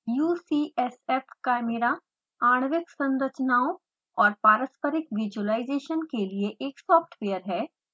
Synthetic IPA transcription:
juːsiːɛsɛːfkameɾa | aːɽ̃ʋɪksɐ̃nɾət͡ʃnaːõ | ɔːɾpaːɾəspəɾɪkʋɪd͡ʒuəlaːɪzeːʃənkelieʔeːksɔːfʈʋeːəɾɦɛː

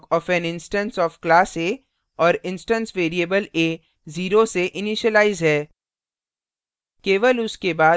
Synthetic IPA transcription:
kɔːfɛ̃nɪ̃nsʈə̃nsɔːfklaːseː | ɔːɾɪ̃nsʈə̃nsʋeːɾieːbəleː | ziːɾoseʔɪniʃəlaːɪzɦɛː | keːʋəlʊskebaː

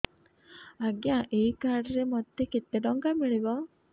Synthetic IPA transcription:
ɐɡjãːʔeːkaːɾɖɾemot̪ːeket̪ːeɖoŋɡamiɭiʋaː

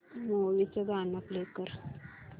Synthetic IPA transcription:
moʋit͡səd̪anaplekəɾ

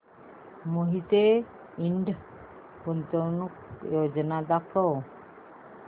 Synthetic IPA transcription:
moɦit̪e | iɳɖ | punt̪ɔnukjod͡ʒnad̪akʰɔw

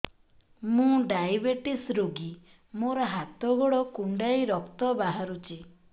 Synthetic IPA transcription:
mũɖajbeʈisɾoɡi | moɾɔɦat̪ɔɡɔɽɔkuɳɖajɾɔkt̪ɔbaɦaɾut͡ʃʰi

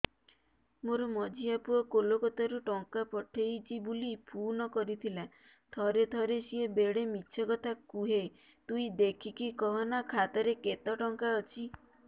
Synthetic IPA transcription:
moɾɔmɔd͡ʒiapuɔkolokɔt̪ʰaɾuʈɔŋkapɔʈʰejt͡ʃʰibulipʰunɔkɔɾit̪ʰila | t̪ʰɔɾet̪ʰɔɾesiebeɽemitːʃʰɔkɔt̪ʰakuɦe | t̪uid̪ekʰikikɔɦɔnakʰat̪ɔɾeket̪ɔʈɔŋkaɔt͡ʃʰi

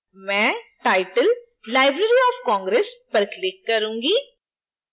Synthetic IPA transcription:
mɛ̃ːʈaːɪʈəl | laːɪbɾeːɾiɔːfkɔ̃ːŋɡɾeːspəɾklɪkːəɾũːŋɡiː

